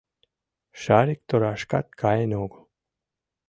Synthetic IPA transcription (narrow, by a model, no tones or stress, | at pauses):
ʃaɾik̚t̪oɾaʃkat̪̚kʰajenoːɡo̥